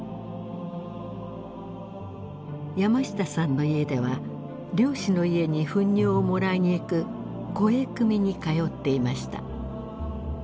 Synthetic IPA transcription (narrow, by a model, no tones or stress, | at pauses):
jamaɕi̥t̪asãnːo̞ie̞d̪e̞βa | ɾʲo̞ːɕino̞ie̞ɲ̟iɸɯ̟̃ɲ̟ːoːomo̞ɾaiɲ̟ikɯ̟ | ko̞e̞kɯ̟mʲiɲ̟ikajo̞t̪ːe̞imaɕi̥t̪a̰